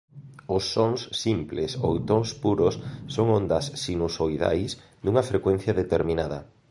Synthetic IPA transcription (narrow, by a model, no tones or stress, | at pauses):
ʊsːoŋsimpleso̰wt̪oŋspuɾʊsːoŋond̪ɐsːinusoiða̰js | d̪uŋɐfɾekwen̟θjɐðet̪eɾminaðɐ̰